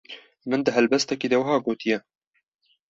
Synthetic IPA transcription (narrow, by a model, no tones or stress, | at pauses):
mɨnd̪ɨɦɛlbɛst̪ɛkiːd̪ɛwɐɦɑːɡoːt̪ijɛ